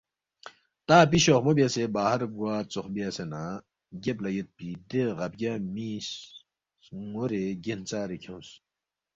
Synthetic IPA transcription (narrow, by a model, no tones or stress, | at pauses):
t̪aːp̬iɕoːχmobiasebaːhɐɾɡwaːt͡soxbiɐsena | ɡeplɐjet̪̚pid̪eɣɐb̚ɡʲamiːs | ŋoɾeɡent͡saːɾekʰõːs